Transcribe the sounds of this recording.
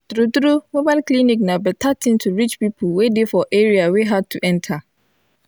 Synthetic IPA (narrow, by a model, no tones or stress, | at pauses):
d̥ɾudɾumobaɪlkʰlĩnĩk̚nãbɛtʰatʰĩntʰuɹit͡ʃpipʰulwedefɔʔeɹiaweɦad̚tʰuʔɛ̃ntʰa